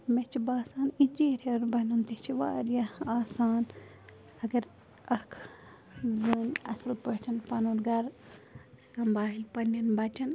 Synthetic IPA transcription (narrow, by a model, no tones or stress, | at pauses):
met͡ʃʰibaːsaːninʲd͡ʒiːɾʲenbɐnunt̪it͡ʃʰiʋa̰ːɾjɐaːsaːn | ɐɡɐɾ | ɐkʰ | zɨːnɐsɐlpəʈʰɐnpɐnuːɾɡɐɾ | sɐmbaːɦilʲpɐnːɐnbɐt͡ʃɐn